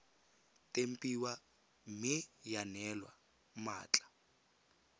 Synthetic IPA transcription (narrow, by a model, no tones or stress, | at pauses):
tʼem̩pʼiwa | mɪjanɛlwa̰ | ma̰ːt͡ɬʼḁ